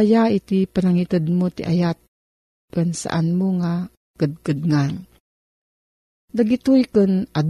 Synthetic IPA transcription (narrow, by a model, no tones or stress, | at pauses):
jait̪ipanaŋit̪əd̪̚mot̪iʔa̰jat̪̚ | kənsa̰ʔanmuŋa | kəd̪̚kəd̪̚ŋan | d̪aɡit̪ujkənad̪